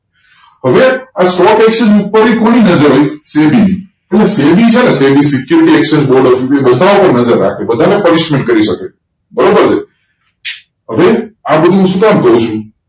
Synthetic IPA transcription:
ɦəʋeasʈɔkɛkʃənupːəɾikoɽ̃inəd͡ʒəɾɦojsebini | eʈlesebit͡ʃʰenesebisɪkjuɾiʈiɛkʃənboɾɖɔfebəd̪ʱaupəɾnəd͡ʒəɾːa̰kʰebəd̪ʱanepənɪʃmẽɳʈ̚kəɾiʃəke | bəɾobəɾt͡ʃʰe | ɦəʋeabəd̪ʱũɦũʃũkamkəɦũt͡ʃʰũ

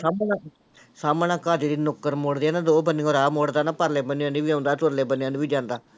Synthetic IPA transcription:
saːma | saːmənãːkaːd͡ʒ̪iɾiːnʊkːəɾmoːɽd̪eaːnãːd̪oːbənĩoːɾaːmoːɽd̪aːnaːpəɾleːbənɪjãːniːʋiːãːnd̪aːtʊɾleːbənɪjãːniːbiːd͡ʒãːnd̪aː

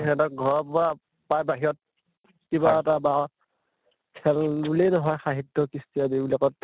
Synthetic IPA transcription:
ɛdaɡʱɔɹɔpbɔa | pajbaɦiɔt̚ | kibaataba | kʰɛlbulejnɔɦɔjxaɦitːɔkistiabibulakɔt

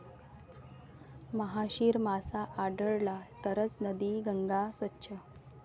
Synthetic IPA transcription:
məɦaɕiːɾmasaʔaɖəɭlat̪əɾət͡snəd̪iːɡəŋɡasʋətːɕʰə

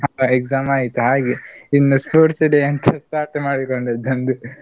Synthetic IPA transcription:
ɦaɐekzaːmaːjit̪ːuɦaːɡeinːɐspoːʈsiɖeɐnt̪ʰɐsʈaːɾʈmaːɽikoɳɖed̪ɐnd̪u

